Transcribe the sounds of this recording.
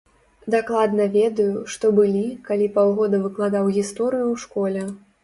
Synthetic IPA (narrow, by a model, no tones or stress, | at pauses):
d̪aklˠad̪nɐvʲɛd̪ɐjuʂt̪ɔbɨlʲikalʲipawɣɔd̪ɐvɨklˠad̪awɣʲist̪ɔɾɨjuwʂkɔlʲɛ